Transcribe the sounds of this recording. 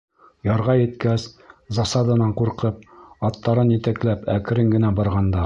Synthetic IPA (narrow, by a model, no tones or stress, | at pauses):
jɑɾʁɑjɘ̆t̪kæszɑsɑd̪ɑnɑɴquɾqɤp̚ɑt̪ːɑɾɤnjɘ̆t̪æklæpæk̆ɾɘŋɡɘ̆næbɑɾʁɑnd̪ɑ